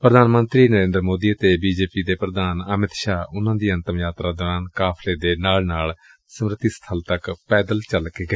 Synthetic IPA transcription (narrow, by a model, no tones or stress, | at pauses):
pɾəd̪aːnmə̃nt̪ɾiːnəɾẽːnd̪ɾmoːd̪iːət̪eːbiːd͡ʒeːpiːd̪eːpɾəd̪aːnəmɪt̪ʃaːʊnãːd̪iːə̃nt̪əmjaːt̪ɾaːd̪əɾãːnkaːpʰleːd̪eːnaːlnaːl | səmɾət̪iːsə̥t̪ʰəlt̪əkpɛːd̪əlt͡ʃəlkeːɡəeː